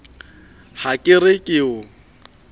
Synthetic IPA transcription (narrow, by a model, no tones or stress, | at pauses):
hakʼɪrɪkʼɪʊ